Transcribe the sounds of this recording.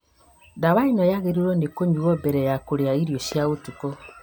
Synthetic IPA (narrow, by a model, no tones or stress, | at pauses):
daβainɔjaɣeɾiɾɔndekoɲuɣɔbɛɾɛjakoɾeaiɾjoʃjaɣotuko